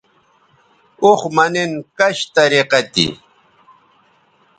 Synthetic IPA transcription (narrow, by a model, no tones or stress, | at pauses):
oχmanɪnkaʃt̪aɾeqat̪ḭ